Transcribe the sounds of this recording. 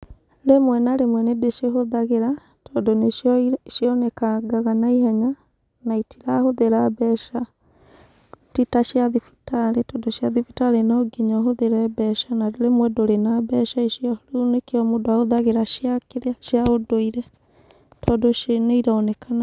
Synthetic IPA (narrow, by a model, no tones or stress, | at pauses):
ɾemwɛnaɾemwɛnedeʃeɦoðaɣeɾa | tɔːndoneʃjɔnɛkaɡaɣanaihɛɲa | naitʰiɾahoðeɾabɛʃa | titaʃjaðifi̥taɾetɔːndoʃjaðifitaɾenɔɡiɲɔɦoðeɾɛbɛʃanadoɾemwɛdoɾenabɛʃaeʃjɔlunekeɔmodoaoðaɣeɾaʃjakeɾaʃjaodoiɾɛ | tʰɔdoʃeneiɾaɔnɛkana